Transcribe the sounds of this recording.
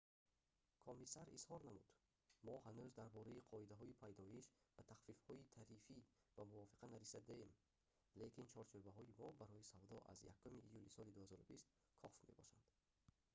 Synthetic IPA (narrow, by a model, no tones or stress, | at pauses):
kʰɔmisaɾḭshɔɾnamud̪̥ | mɔhanuzd̪aɾbɔɾaiqʰɔid̪aɦɔipʰajd̪ɔjiʃbat̪ʰaχfifhɔit̪ʰaɾifi | vamuvɔfi̥qʰanaɾisad̪eem | lekint͡ʃʰɔɾt͡ʃʰøbaɦɔimɔbaɾɔjisavd̪ɔʔa̰zja̰kʰːumiʔːjulisɔlid̪uhazɔɾubist̪ | kʰɔfme̞bɔʃand̪̥